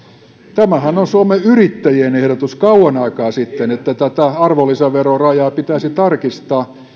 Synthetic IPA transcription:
t̪æmæhænonsuomeyrit̪ːæjienehɾot̪uskɑuwɑnɑikɑːsit̪ːenet̪ːæt̪æt̪æɑrʋolːiseʋerorɑjɑːpit̪æisit̪ɑrkist̪ɑː

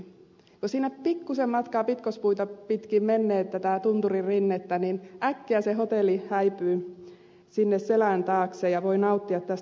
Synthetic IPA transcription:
kosiːnːæppikːusemmɑt̪kɑːpit̪kospuit̪ɑpit̪kiːmmenːeːt̪t̪æt̪æt̪unt̪uririnːet̪ːæninʔækːeæseɦot̪elːˑihæipyː | sinːesselænt̪ɑːksejɑʋoinɑut̪ːiɑt̪t̪æs

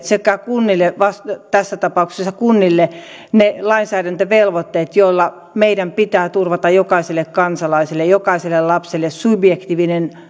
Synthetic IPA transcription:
sekːækunːilːeʋɑst̪t̪æsːæt̪ɑpɑˑuksesːɑkunːilːe | nelɑinsæːɾænt̪øʋelʋot̪ːeːt̪joilːɑ | meidæmpit̪æːt̪urʋɑt̪ɑjokɑiselːˑekkɑnsɑlɑisielːejokɑiselːellɑpselːessubjekt̪iːʋinen

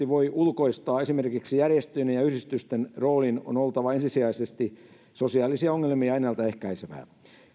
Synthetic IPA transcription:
iʋoiʔulkoist̪ɑːesimerkiksijærjest̪ynejɑyhdist̪yst̪enroːlino̰nolt̪ɑʋɑensisiæisest̪i | sosiɑːlisiɑoŋːelmiɑinːɑlt̪ɑe̞hkæiseʋæ̰ː

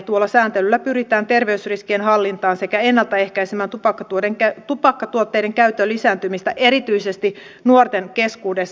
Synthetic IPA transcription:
t̪uolːɑsæːnt̪elylːæpyɾit̪æːnt̪e̞rʋeysriskienhɑlːint̪ɑːnse̞kæenːɑlt̪ɑehkæisemæːnt̪upɑkːɑt̪uodeŋkæt̪upɑkːɑt̪uot̪ːeideŋkæyt̪ːølːisæːnt̪ymist̪æʔe̞ɾit̪yisest̪i | nuort̪enke̞skuːdesː

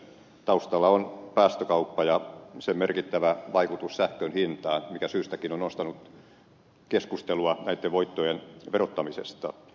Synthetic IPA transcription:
t̪ɑust̪ɑlːɑonpæːst̪økɑupːɑjɑsemerkit̪ːæʋæʋɑikut̪ussæhkønhint̪ɑːnmikæsyːst̪ækinonost̪ɑnuk | keskust̪eluɑnæit̪ːeʋʋoit̪ːojenʋerot̪ːɑmisest̪ɑ

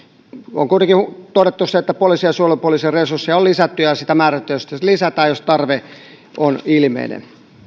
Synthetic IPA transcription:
o̰ŋkuit̪eŋkit̪odet̪ːuseet̪ːæpoliˑsiɑsuolepuoliːsiɑresursːiɑolisæt̪ːyjɑsit̪æmæːræt̪ːyjæosi̥t̪ːeslisæt̪æːjost̪ɑrʋe | ʔonilimḛinḛn

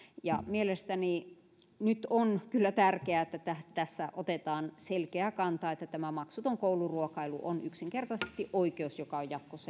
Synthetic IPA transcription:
jɑ̰mielest̪æni | nyt̪onkylːæt̪ærkeæet̪ːæt̪æt̪æsːæʔot̪et̪ɑːnselkeækɑnt̪ɑːet̪ːæt̪æmæmɑksut̪oŋkouluruokɑilṵʔo̰nyksiŋkert̪ɑse̥st̪iʔoikeusjokɑojjɑt̪ːose

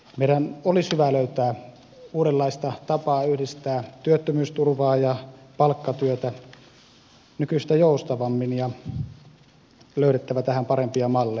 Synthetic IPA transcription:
meiɾænolishyʋæløyt̪æː | uːɾelːɑist̪ɑt̪ɑpɑːyhdist̪æːt̪yøt̪ːømyːst̪urʋɑːjɑpɑlkːɑt̪yøt̪æ | nykyst̪æjoust̪ɑʋɑmːinjɑ | løyɾet̪ːæʋæt̪æhæmpɑɾempiɑmɑlːe

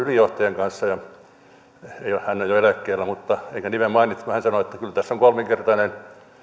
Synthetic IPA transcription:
ylijoht̪ɑjeŋkɑnsːɑjɑ | eiohhænːojoelækːeːlːæmut̪ːɑeikænimemmɑinit̪ːuɑhænsɑnoet̪ːækylt̪æsːoŋkolmeŋkert̪ɑnen

